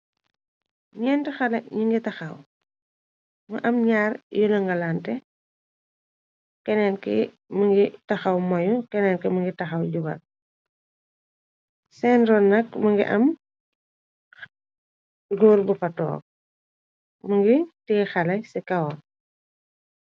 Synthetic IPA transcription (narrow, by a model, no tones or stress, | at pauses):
ɲɛntixɐlɐɲiŋɡitɐxɐw | mɐʔɐmɲaːrjɔlɐŋɡɐlaːntɛ | kɛnɛnkɛ̰ | məŋɡitɐxɐwmɐjukɛnɛnkɛmɐŋɡitɐxɐwɟuɡɐ̰l | sɛnɾɔnːɐkmɐŋɡḭʔɐ̰m | ɡoːrbufɐtɔ̰ːk̚ | məŋɡitiɡxɐlɐsɛkɐwɔ